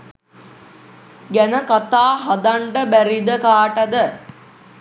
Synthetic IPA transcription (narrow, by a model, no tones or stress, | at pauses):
ɡænəkat̪aːɦad̪aɳʈəbæɾid̪əkaːʈəd̪ə